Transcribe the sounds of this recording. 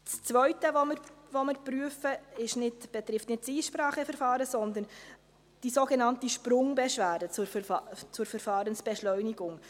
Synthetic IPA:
st͡svœʏtəvomɪɾvomɪɾpɾyəfəɪʃnɪdb̥ɛt̪ɾɪftnɪtsiːʃpɾɑːχəfɛɾfɑːɾəsɔnd̪ən | d̥isoɡɛnɑntiʃpɾʊŋbɛʃvæːdət͡sʊt͡sʊɾfɛɾfɑːɾənsb̥ɛʃlœʏnɪɡʊŋ

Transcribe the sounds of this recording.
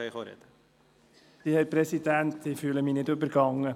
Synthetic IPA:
jiχoɾɛ̰d̪̥ə | d̪̥ihɛɾpɾɛsid̪æntɪfyːləminɪdøbəɾɡɑŋːə

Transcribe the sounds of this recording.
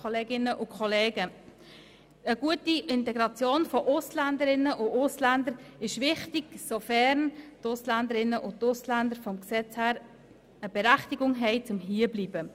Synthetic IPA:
oleːɡɪnːəʔʊkχɔleːɡə | əɡ̥uətiʔɪntɛɡɾɑt͡sjoːnfɔʔʊslændəɾɪnəʔʊʊslændəɾɪʃvɪχtiɡ̥sofɛɾntʊslændəɾɪnːəʔʊt̪ʊslændəɾfɔmksɛt͡shæːɾ | əbɛɾæχtiɡʊŋɦɛɪt͡sʊmɦiːəbliːb̥ə

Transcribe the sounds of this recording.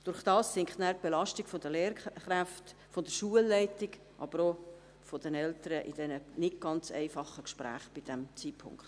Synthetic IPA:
d̥ʊɾχd̥ɑːssɪŋχnæːɾp̚b̥ɛlɑʃtɪkfod̥əleːɾχɾæft | fɔd̥əɾʃuəlːɛɪtɪɡ | ʔɑ̰b̥əɾo | fɔd̥ɛnɛltəɾəʔɪd̥ɛnənɪɡ̚ɡ̥ɑnt͡sɛ̰ɪfɑχəkʃpɾæ̰ːχb̥ɪd̥ɛmt͡siːpʰʊ̰ŋkt

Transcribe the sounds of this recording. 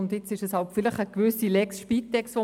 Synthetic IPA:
ʊndɪt͡sɪʃɛshɑltfɪləχəkʋʏsilɛksʃpitːɛksʋo

